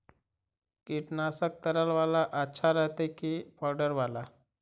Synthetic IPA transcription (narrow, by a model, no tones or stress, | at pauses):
kiʈnasək̚t̪əɾəlʋalaʔatːɕʰaɾaɦt̪ekipawɖəɾʋala